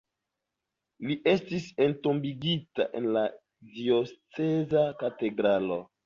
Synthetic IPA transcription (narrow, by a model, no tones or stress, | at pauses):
liʔe̞stise̞nto̞mbiɡita̰ʔe̞̰nla | dio̞st͡sezakate̞dɾalo̰